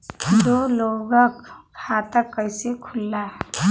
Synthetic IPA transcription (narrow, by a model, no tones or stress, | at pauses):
dɔlɔɡakkʰat̪akːajsekʰulːa